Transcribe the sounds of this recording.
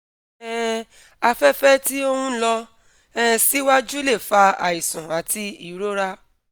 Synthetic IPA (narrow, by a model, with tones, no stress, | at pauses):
ɛ˦˨ | a˧fɛ˦fɛ˦ti˦o˦hũ˦lɔ˧ | ɛ˦˧si˦wa˦d͡ʒu˦le˦˨fa˧a̰˨i˨sũ˨a˨ti˧i˦˨˦ɾo˦ɾa˦